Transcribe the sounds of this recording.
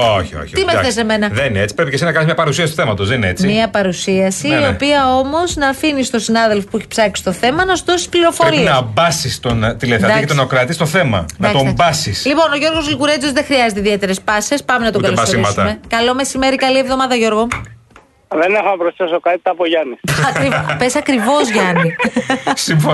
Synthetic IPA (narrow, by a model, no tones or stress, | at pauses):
oçio̰çit̪imeθθes̬eme̞nɐðenineet͡si̥pɾepicesiznɐkɐnizmɲɐpɐɾusiɐsit̪oθemɐt̪ozðenineet͡simiɐpɐɾusiɐsiio̞piɐo̞mo̞znɐːfinist̪o̞sinɐðe̞lfo̞pueçi̥psɐksi̥t̪o̞θe̞mɐnɐsuðosi̥spliɾo̞foɾinɐbɐsist̪ont̪ileθeɾɐiket̪nɐokɾɐt̪ist̪o̞θe̞mɐ̰nɐɐtobɐsislipo̞no̞ʝo̞ɾɣo̞zlɣuɾet͡sozðexɾiɐzet̪eiðie̞t̪e̞ɾe̞spɐse̞spɐmenɐt̪oɡɐlosoiɐsut̪ɐmekɐlo̞me̞sime̞ɾikɐlie̞vðo̞mɐðɐʝo̞ɾɣo | ðenexonɐpɾosθesokɐt̪i̥t̪ɐːpoʝɐnisɐɾipesɐkɾivo̞zʝɐnisiɱfo